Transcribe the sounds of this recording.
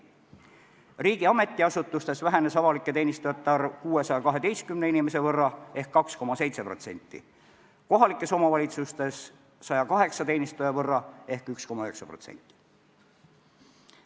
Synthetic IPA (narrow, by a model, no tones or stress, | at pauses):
riːɡ̥iɑme̞t̪ːˑiɑsut̪ːˑust̪e̞svæɦe̞ne̞sɑvɑlikːˑe̞t̪e̞ːnist̪ujet̪ːɑrkuːe̞sɑjɑkɑɦe̞d̪e̞jst̪̚kymneinime̞se̞vɤrːɑe̞hkːɑksko̞mɑse̞jt̪se̞pro̞t̪se̞̰nʲt̪ːˑḭ | ko̞ɦɑlikːˑe̞somɑvɑlʲit̪sust̪e̞sː | ɑjɑkɑɦe̞ksɑt̪e̞ːnist̪ujɑvɤrːɑe̞hkyksko̞mɑøheksɑpro̞t̪sḛnʲt̪ˑːi̥